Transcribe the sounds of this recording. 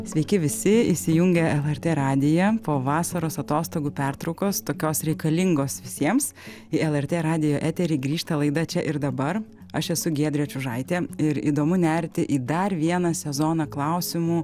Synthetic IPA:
sʲʋʲɛɪkʲɪʋʲɪsʲɪiʃsʲɪjʊŋʲɡʲɛɛlˠɛɾʲt̪ʲeːɾɑːd̪ʲɪjɛpoːʋɑːsɐɾoːsɐt̪oːst̪oːɡuːpʲæɾt̪ɾɒʊkoːst̪oːkʲoːsɾʲɛɪkɐlʲɪŋɡoːsʋʲɪsʲiɛms | ɪɛlˠɛrʲt̪ʲeːɾɑːd̪ʲɪjoːʔæːt̪ʲɛɾʲiːɡɾʲiːʃt̪ɐlˠɐɪd̪ɐt͡ʃʲɛʔɪɾd̪ɐbɐɾ | ɐʃɛsʊɡʲiɛd̪ʲɾʲɛt͡ʃʲʊʒɐɪt̪ʲeːɪɾḭːd̪oːmʊnʲæɾʲt̪ʲɪʔiːd̪ɐɾʋʲiɛnɐsʲɛzoːnɐklˠɑʊsʲɪmuː

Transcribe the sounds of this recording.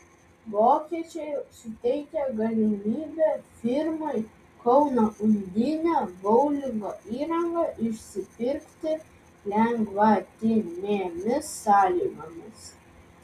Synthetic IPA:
ʋoːkʲiɛt͡ʃʲɛɪjsʊt̪ʲɛɪkʲɛɡɐlʲɪmʲiːbʲɛfʲɪɾmoɪ | kɒʊnoʔʊnʲd̪ʲɪnʲæːbɔʊlʲɪŋɡoːʔiːɾɐŋɡɑʔɪʃʲsʲɪpʲɪɾʲkt̪ʲɪ | lʲɛŋɡʋɐt̪ʲɪnʲeːmʲɪsːɑːlʲiːɡoːmʲɪs

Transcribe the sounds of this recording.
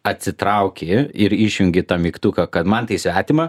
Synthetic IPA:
ɐt̪ʲsʲɪt̪ɾɐʊkʲɪɪɾiʃʲjʊŋʲɡʲɪt̪ɐmʲikt̪ukɐkɐt̪mɐnt̪ɐɪsʲʋʲæːt̪ʲɪmɐ

